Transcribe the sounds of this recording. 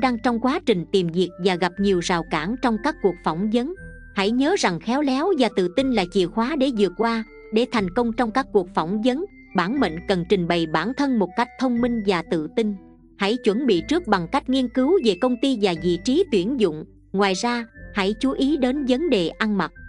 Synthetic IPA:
ɗaː˧ŋt͡ɕɔ˧wŋ͡mkwaː˨˦t͡ɕï˨˩ŋ̟t̪i˨˩mzi˨˩ək̚vaː˨˩ɣa˨˩p̚ɲi˨˩əwzaː˨˩wkaː˧˩nt͡ɕɔ˧wŋ͡mkaː˦˥kːu˨˩ək̚fɔ˧˩wŋ͡mzə˨˦n | ha̰˧˥jɲəː˨˦za˨˩ŋxɛ˨˦wlɛ˨˦wvaː˨˩t̪ɨ̰˧˨t̪ï˧ŋlaː˨˩t͡ɕḭ˧˨xwaː˨˦ɗe˧˩zɨ˨˩ək̚kːwaː˧ | ɗe˧˩t̪ʰa˨˩jŋ̟kə˧wŋ͡mt͡ɕɔ˧wŋ͡mkaː˦˥k̚ːu˨˩ək̚fɔ˧˩wŋ͡mzə˨˦n | ɓaː˧˩nmḛ˧˨nkə˨˩nt͡ɕï˨˩ŋ̟ɓə˨˩jɓaː˧˩nt̪ʰə˧nmo˨˩t̚ka˦˥jk̚t̪ʰə˧wŋ͡mmi˧ŋ̟vaː˨˩t̪ɨ̰˧˨t̪ï˧ŋ | ha̰˧˥jt͡ɕwə˧˩nɓḭ˧˨t͡ɕɨ˦˥k̚ɓa˨˩ŋka˦˥jk̟̚ŋi˧ənkɨ˨˦wve˨˩kə˧wŋ͡mt̪i˧vaː˨˩zḭ˧˨t͡ɕi˨˦t̪wi˧˩ənzʊ̰˧˨ŋ͡m | ŋwaː˨˩jzaː˧ha̰˧˥jt͡ɕu˨˦ʔi˨˦ɗe˨˦nvə˨˦nɗe˨˩ʔa˧nma˨˩t̚

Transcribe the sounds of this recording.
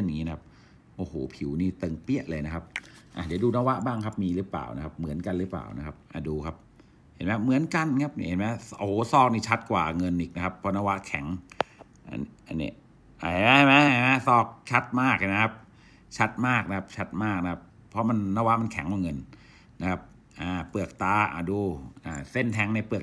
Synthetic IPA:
ɯ˥˩˨ɲː˨ŋːi˦na˧kʰa˦˥p̚ | ʔoː˨˩hoː˨˩˦pʰi˩˦wniː˥˩t̪ɤ˧ŋpi˥˩əʔlɤː˧jna˦˥kʰa˦˥p̚ʔa̰˧˩di˩˦duː˧naː˧˩wa˦˥ʔbaː˥˩ŋkʰa˦˥p̚miː˧ɾɯ˦˥pla̰ː˨˩wna˦˥kʰa˦˥p̚mɯ˩˦ənka˧nɾɯː˦˥pla̰ː˨˩wna˦˥kʰa˦˥p̚ʔa̰˨˩duː˧kʰa˦˥p̚ | he˨˩˦nm˦˥mɯ˩˦ənka˧n˧kʰa˦˥p̚ni˧˩˨he˨˦nma˦˥ʔo˨˩sɔː˥˩k̚niː˧˩t͡ɕʰa˦˥t̪̚kwa̰ː˨˩ŋɤ˧nʔiː˨˩k̚na˦kʰa˦˥pʰːɔ˧˥naː˧˥˩wa˦˥ʔkʰɛ˩˦ŋ | ʔa̰˧a˧nḭ˦˧˩ | a˧˩˧ma˦˥a˧˩jma˦˥a˧˦˩jma˦˥sɔː˥˩k̚t͡ɕʰa˦˥t̪̚maː˥˩k̚a˧˩na˦˥kʰa˦˥p̚ | t͡ɕʰa˦˥t̪̚maː˥˩k̚na˦˥kʰa˦˥p̚t͡ɕʰa˦˥t̪̚maː˥˩k̚na˦˥kʰa˦˥pʰːɔ˦˥ma˧nːaː˧˥˩wa˦˥ʔma˧nkʰɛ̰˨˩˦ŋkwaː˧˩ŋɤ˧nː | a˦˥kʰa˦˥p̚ | ʔaː˨˩pɯ˨˩ək̚t̪aː˨˧˥ʔa̰ː˧˩duː˧˩ʔaː˨˧˩se˥˩nt̪ʰɛ˧˥ŋna˧jpɯ˨˩ə

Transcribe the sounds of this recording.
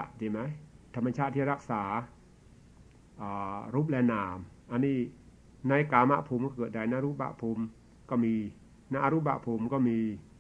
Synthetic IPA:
t͡ɕi˧˩ma˦˥jt̪ʰa˧mːa˧t͡ɕʰa˦˥˩t̪ʰːiː˥˩ɾa˦˥˩k̚saː˩˦ | ʔaː˨˩ɾuː˦˥˩p̚lɛː˧naː˨˩˦mʔa˧nːiː˥˩ | na˧jkaː˨˧ma̰˦˥ʔpʰuː˨˦mkɔː˥˩kɤː˨˩t̪̚da˧˩jna˦˥ʔɾuː˦˥˩p̚ba̰˧˨ʔpʰu˧m | kɔː˥˩miː˧ | na˦˧˥ʔa˧ɾuː˦˥p̚ba̰˨pʰuː˨˩˦mkɔː˥˩miː˧

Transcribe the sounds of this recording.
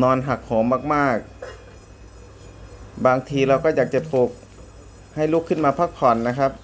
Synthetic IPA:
nɔː˧nɦa˨˩k̚hoː˩˦mːaː˧˩k̚maː˥˩k̚ | baː˧ŋt̪ʰiː˧ɾa˧wkɔː˥˩jaː˨˩k̚t͡ɕa˧˩po˨˩k̚ | ha˥˩jlu˦˥˩kʰːɯ˧˥˩nmaː˧pʰa˦˧˥k̚pʰɔ˨˩nːa˦˧˥kʰa˦˥p̚

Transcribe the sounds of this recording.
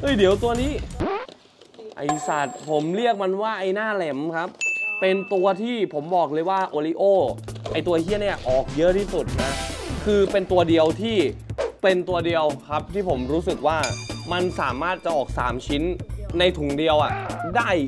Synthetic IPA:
ʔɤ˧˥˩jdi˩˦wt̪u˧ɐniː˦˥ | ʔa̰˧˩jsa˨˩t̪̚pʰo˩˦mli˥˩ək̚ma˧nwaː˥˩ʔa˧jnaː˥˩lɛ˨˩˦mkʰa˦˥pːe˧nt̪u˧ɐt̪ʰiː˥˩pʰo˩˦mbɔː˨˩k̚lɤː˧jwaː˥˩ʔoː˧liː˧ʔoː˥˩ʔa˧jt̪u˧ɐt̪ʰi˥˩əni˥˩ɐʔɔː˨˩k̚jɤ˦˥ʔt̪ʰiː˥˩su˨˩t̪̚na˦˥kʰɯː˧pe˧nt̪u˧ɐdi˧əwt̪ʰiː˥˩pe˧nt̪u˧ɐdi˧əwkʰa˦˥p̚t̪ʰiː˥˩pʰo˩˦mɾuː˦˥sɯ˨˩k̚waː˥˩ma˧nsaː˩˦maː˥˩t̪̚t͡ɕa˨˩ʔɔː˨˩k̚sa̰ː˩˦mt͡ɕʰi˦˥nːa˧jt̪ʰu˨˩˦ŋdi˧əwʔa˨˩daː˥˩j

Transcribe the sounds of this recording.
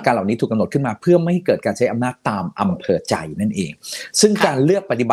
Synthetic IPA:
kaː˧nla˨˩wni˦˥t̪ʰuː˨˩ka˧mno˨˩t̪̚kʰɯ˥˩nmaː˧pʰɯ˥˩ɐma˥˩jha˥˩jkɤː˨˩t̚kaː˧nt͡ɕʰa˦˥jʔa˧mnaː˥˩d̪̚aː˧mʔa˧mpʰɤː˧t͡ɕa̰˧jna˥˩nʔḛː˨˧ŋsɯ˥˩ŋkaː˧nlɯ˥˩ək̚pa˧˩t̪i˨˩ba˨˩

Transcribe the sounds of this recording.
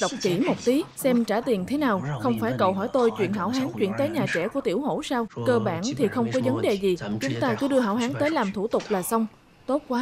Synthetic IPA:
ɗə˨˩wk͡p̚t͡ɕḭ˧˩mo˨˩t̚t̪i˨˦sɛ˧mt͡ɕaː˧˩t̪i˨˩ənt̪ʰe˨˦naː˨˩wxə˧wŋ͡mfaː˧˩jkə˨˩wɦɔː˧˩jt̪o˧jt͡ɕwḭ˧˨ənɦa̰ː˧˩wɦaː˨˦nt͡ɕwḭ˧˨nt̪əː˨˦jɲaː˨˩t͡ɕɛ̰˧˩ku˧˩ət̪ḭ˧˩əwho̰˧˥saː˧wkəː˧ɓaː˧˩nt̪ʰi˨˩xə˧wŋ͡mkɔ˨˦və˨˦nɗe˨˩zi˨˩t͡ɕʊ˨˦ŋ͡mt̪aː˧kɔ˨˦ɗɨ˧ə˧ɦa̰ː˧˨wɦaː˨˦nt̪əː˨˦jlaː˨˩mt̪ʰu˧˩t̪ʊ˨˩k͡p̚laː˨˩sə˧wŋ͡m | t̪o˦˥t̚kwaː˨˦

